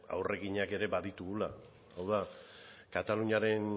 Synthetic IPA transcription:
a̰wre̞ɣiɲake̞ɾe̞baðit̪uɣula | awðakat̪aluɲaɾe̞n

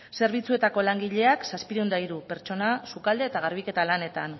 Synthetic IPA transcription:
se̞ɾβ̞it͡sue̞t̪ako̞laŋɡiʎe̞aksaspiɾund̪ajɾupe̞ɾt͡ʃo̞nasukald̪e̞ːt̪aɣ̞aɾβ̞ike̞t̪alane̞t̪an

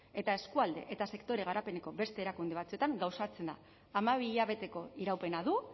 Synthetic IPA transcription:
e̞t̪ae̞skuald̪e̞̰ʔet̪ase̞kt̪o̞ɾe̞ɣ̞aɾape̞ne̞ko̞be̞st̪eːɾakund̪e̞β̞at͡sue̞t̪aŋɡawsat͡se̞nd̪a̰ː | maβ̞iːʎaβ̞e̞t̪e̞ko̞iɾawpe̞naðu

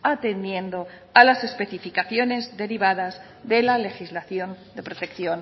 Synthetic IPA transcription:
at̪e̞nd̪je̞nd̪o̞ | alase̞spe̞θifikaθjo̞ne̞zðe̞ɾiβaðaz | ðe̞lale̞xizlaθjo̞nd̪e̞pɾo̞t̪e̞kθjo̞n

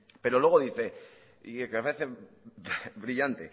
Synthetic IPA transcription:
pe̞ɾolwe̞ɣ̞o̞ðiθe̞ | ikmepaɾeθe | βɾiʎant̪e

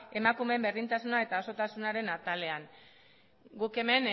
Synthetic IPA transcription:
e̞makume̞mbe̞ɾðint̪asunae̞t̪ao̞so̞t̪asunaɾe̞nat̪ale̞aŋ | ɡuke̞me̞n

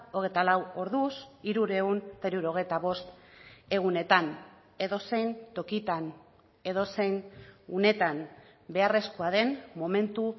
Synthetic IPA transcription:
o̞ɣ̞e̞jt̪alawo̞ɾðusiɾuɾe̞unt̪eɾiuɾo̞ɣe̞jt̪aβo̞st̪e̞ɣ̞une̞t̪an | e̞ðo̞se̞jnt̪o̞kit̪an | e̞ðo̞se̞jnune̞t̪an | be̞are̞skoaðe̞nmo̞me̞nt̪u

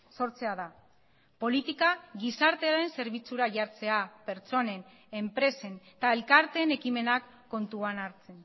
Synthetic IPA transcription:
so̞ɾt͡se̞aða | po̞lit̪ikaɣisaɾt̪e̞aɾe̞nse̞ɾβ̞it͡suɾaʝaɾt͡se̞ape̞ɾt͡so̞ne̞n | e̞mpɾe̞se̞n | t̪ae̞lkaɾt̪e̞ːne̞kime̞nakːo̞nt̪uanaɾt͡se̞n

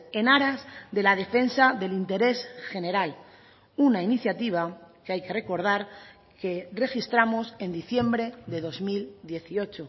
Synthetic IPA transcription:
e̞naɾazðe̞lað̞e̞fe̞nsaðe̞lint̪e̞ɾe̞sxe̞ne̞ɾal | unainiθjat̪iβ̞akeajke̞re̞ko̞ɾð̞aɾ | ke̞re̞xist̪ɾamose̞nd̪iθje̞mbɾe̞ðe̞ðo̞zmild̪je̞θio̞t͡ʃo

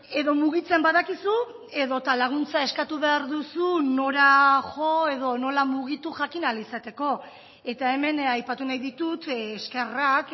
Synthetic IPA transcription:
e̞ðo̞muɣit͡se̞mbaðakisu | e̞ðo̞t̪alaɣ̞unt͡sae̞skat̪uβe̞aɾðusuno̞ɾaʝo̞e̞ðo̞no̞lamuɣ̞it̪uʝakinalisat̪e̞ko̞ | e̞t̪ae̞me̞najpat̪unajðit̪ut̪eske̞rak

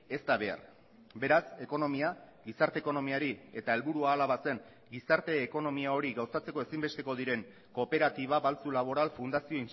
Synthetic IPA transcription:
e̞st̪aβe̞a̰r | be̞ɾase̞ko̞no̞mia | ɡisaɾt̪e̞ːko̞no̞miaɾie̞t̪ae̞lβuɾuaːlaβase̞ŋ | ɡisaɾt̪e̞ːko̞no̞miao̞ɾiɡawsat͡se̞ko̞e̞simbe̞st̪e̞ko̞ðiɾe̞ŋ | ko̞pe̞ɾat̪iβ̞aβalt͡sulaβ̞o̞ɾalfund̪asio̞in

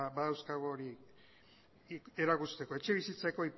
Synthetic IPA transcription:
baðawskaɣoːɾi | e̞ɾakust̪e̞ko̞e̞t͡ʃe̞β̞isit͡sako̞ip

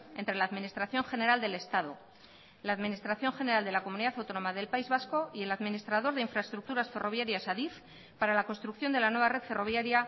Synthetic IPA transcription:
e̞nt̪ɾe̞laːðminist̪ɾaθjo̞ŋxe̞ne̞ɾald̪e̞le̞st̪að̞o̞̰ | laːðminist̪ɾaθjo̞ŋxe̞ne̞ɾald̪e̞lako̞muniðaθawt̪o̞no̞maðe̞lpaizβasko̞ie̞laðminist̪ɾað̞o̞ɾðe̞iɱfɾaest̪ɾuk̚t̪uɾasfe̞ro̞β̞jaɾjasaðif | paɾalako̞nst̪ɾukθjo̞nd̪e̞lanwe̞βare̞ðfe̞ro̞βjaɾja

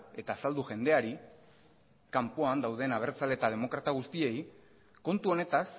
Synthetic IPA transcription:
e̞t̪aːsald̪uʝe̞nd̪e̞aɾi | kampoand̪awð̞e̞naβ̞e̞ɾt͡sale̞t̪að̞e̞mo̞kɾat̪aɣ̞ust̪ie̞j | ko̞nt̪uo̞ne̞t̪as

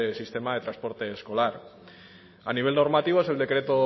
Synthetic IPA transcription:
esist̪emaðe̞t̪ɾaspo̞ɾt̪e̞ːsko̞laɾ | a̰niβ̞elnoɾmat̪iβoeseld̪e̞kɾe̞t̪o

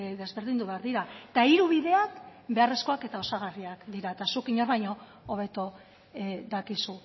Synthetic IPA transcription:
ðe̞zβe̞ɾðind̪uβe̞aɾðiɾat̪aiɾuβiðe̞akbe̞aresko̞ake̞t̪ao̞saɣariakd̪iɾaet̪asukiɲo̞ɾβajɲo̞ː | β̞e̞t̪o | ðakisu

